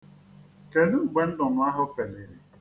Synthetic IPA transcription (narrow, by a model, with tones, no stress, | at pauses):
ke˨nu˦˨ɡ͡be˨n̩˦dʊ˨nʊ˨˦a˦ɦʊ˦fe˨nɪ˨ɾi˨